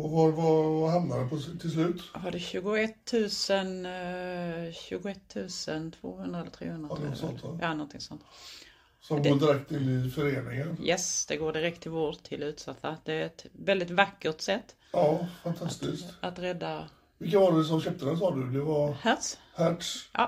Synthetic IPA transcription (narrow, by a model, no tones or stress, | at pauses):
ɔvaɾvavaɾhamnaɾəpʰɔt̪ʰɪlslʉ̟ːt̪ɦaɖɛɕʉ̟ːɡʊɛt̪ʰːʉ̟ːsən | ɕʉ̟ːɡʊɛt̪ʰːʉ̟ːsənt̪ʰvo̰ːhɵnd̪ɾaɛlt̪ʰɾḛːhɵnd̪ɾasɔt̪ʔɑːnɔnt̪ʰɪŋsɔ̰nt̪ | sɔmɡɔd̪ɪɾɛkt̪ɪnːɪfœɾeːnɪŋənjɛsd̪̥ɛɡoːɖɪɾɛk̚t̪ʰːɪlvoːɾt̪ʰːɪlʉ̟ːt̪sat̪ʰːad̪̥ɛæɾɛt̪vɛld̪ɪt̪vakːəʈ̪sɛt̪ː | ɑːfant̪ʰast̪ɪsat̪ɾɛd̪ːa | vɪkːavaɖɛs̬ɔmɕœp̚t̪əd̪ɛsɑːd̪ɵd̪ɛvaɾhæt̪s | hæʈsʔɑ̰ː